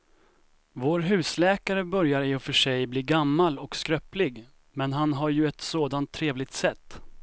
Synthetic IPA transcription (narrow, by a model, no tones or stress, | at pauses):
voːɾɦʉ̟ːslɛːkaɾəbœɾjaɾɪɔfœʂɛjbliːɡamːalɔkskɾœplɪɡ | mɛnɦanɦaɾjɵɛt̪soːd̪ant̪ʰːɾeːvlɪɡ̚t̪sɛt̪ː